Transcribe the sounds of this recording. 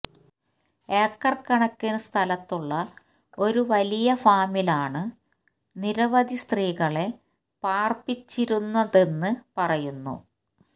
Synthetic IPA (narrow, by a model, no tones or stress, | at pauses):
eːkːɐrkːɐɳɐkːɨnst̪ʰɐlɐt̪ːuɭːɐ | o̞ɾuʋɐlijɐfaːmilaːɳɨ | niɾɐʋɐd̪ist̪riːɣɐɭe̞ | paːrpit͡ɕːiɾunːɐðe̞nːɨpɐrɐjunːṵ